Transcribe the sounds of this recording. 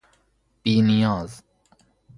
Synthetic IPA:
b̥iːnijɔːz

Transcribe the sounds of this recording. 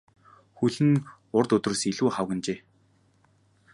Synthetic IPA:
xuɮɘ̆n | ʊrt̪ɵt̪rə̆siɮuːχawɣə̆nt͡ɕeː

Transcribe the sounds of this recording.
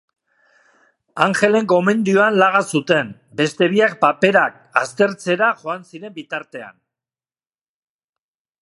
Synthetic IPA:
aŋxe̞le̞ŋko̞me̞nd̪ioanlaɣasut̪e̞m | be̞st̪e̞βiak̚pape̞ɾak̚ | ast̪e̞ɾt͡se̞ɾaʝo̞ansiɾe̞mbit̪aɾt̪e̞a̰n

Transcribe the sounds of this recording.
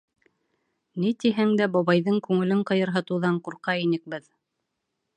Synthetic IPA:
nit̪iɦæŋd̪æbɒβɑjðɤŋkʉŋɘ̆lɘɴqɤ̆jɤ̆ɾɦɤ̆t̪ɤ̆wðɑɴquɾqɑinɘ̆k̚bɘð

